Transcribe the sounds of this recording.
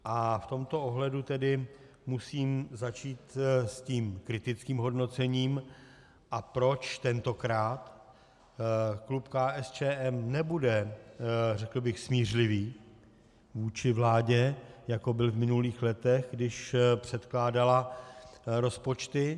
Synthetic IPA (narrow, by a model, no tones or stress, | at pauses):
ʔaft̪o̞mt̪o̞ʔoɦlɛdut̪ɛdɪ | musiːmzat͡ʃiːt̪sciːmkɾɪt̪ɪt͡skiːmɦo̞dno̞t͡sɛɲiːm | ʔapɾo̞t͡ʃt̪ɛnt̪o̞kɾaːt̪ | klupkaːʔɛst͡ʃɛːʔɛmnɛbudɛ | rɛkl̩bɪxsmiːr̝lɪviː | vuːt͡ʃɪvlaːɟɛjako̞bɪlvmɪnuliːxlɛt̪ɛɣɡdɪʃpr̥ɛt̪klaːdala | ɾo̞spo̞t͡ʃt̪ɪ